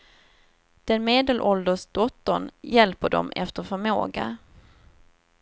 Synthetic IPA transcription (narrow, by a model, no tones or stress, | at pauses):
d̪̥ɛnmeːd̪əlʔɔld̪əʂd̪̥ɔt̪ːəɳjɛlpəɖɔ̰mɛ̰ft̪əɾfœɾmo̰ːɡa̰